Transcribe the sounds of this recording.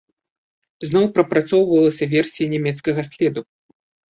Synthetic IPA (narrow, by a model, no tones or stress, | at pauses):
znɔwpɾɐpɾat̪sɔwvɐlˠɐsʲɐvʲɛrsʲijɐnʲɛmʲɛt̪skɐɣɐsʲlʲɛd̪u